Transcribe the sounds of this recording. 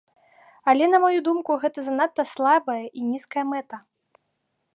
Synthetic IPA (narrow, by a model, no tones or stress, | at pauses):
ɐlʲɛnɐmajud̪umkuɣɛt̪ɐzanat̪ːɐslˠabɐjɐʔinʲiskɐjɐmɛt̪ɐ